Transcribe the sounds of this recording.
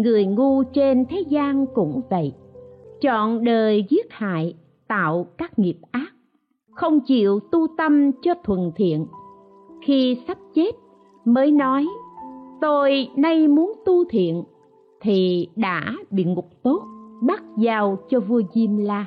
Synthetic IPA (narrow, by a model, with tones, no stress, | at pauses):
ŋɨ˨˩əjŋu˧t͡ɕe˧nt̪ʰe˨˦zaː˧nkʊ̰˧˥ŋ͡mvə̰˧˨j | t͡ɕɔ̰˧˨nɗəː˨˩jzi˦˥ət̚ha̰ː˧˨j | t̪a̰ː˧˨wkaː˦˥k̚ŋi˨˩əp̚ʔaː˦˥k̚ | xə˧wŋ͡mt͡ɕḭ˧˨əwt̪u˧t̪ə˧mt͡ɕɔ˧t̪ʰwə˨˩nt̪ʰḭ˧˨ən | xi˧sa˦˥p̚t͡ɕe˦˥t̚ | məː˨˦jnɔ˨˦jt̪o˧jna˧jmu˨˦ənt̪u˧t̪ʰḭ˧˨ən | t̪ʰi˨˩ɗa̰ː˧˥ɓḭ˧˨ŋʊ˨˩k͡p̚t̪o˦˥t̚ɓa˦˥t̚zaː˨˩wt͡ɕɔ˧vu˧əzi˧mlaː˧